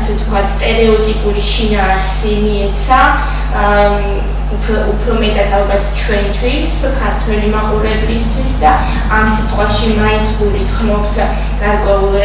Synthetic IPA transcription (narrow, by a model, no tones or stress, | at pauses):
sɛt̪kʰwat̪ʰst̪ʼɛɾɛɔt̪ʼipʼuɾiʃinaːɾsimiɛt̪sʰa | upʰɾɔupʰɾɔmɛt̪ʼat̪ʰalˠbat̪ʰt͡ʃʰwɛnt̪ʰwis | kʰaɾt̪ʰwɛlimaqʼuɾɛblist̪ʰwisd̪a | amsit̪ʼqʼwaʃimaint̪sʰɡulisχmɔpt̪ʰ | ɡ̥aɾkʼwɛulˠ